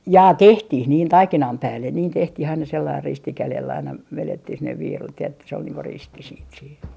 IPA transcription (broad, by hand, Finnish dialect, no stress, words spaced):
jɑː tehtih niːn tɑikinɑm pæːlːen niːn tehtih ɑinɑ selːɑir risti kælelː ɑinɑ ʋeletːih sinːeʋ ʋiːrut jɑ etːæ se ol niːŋ ko risti siːt siːn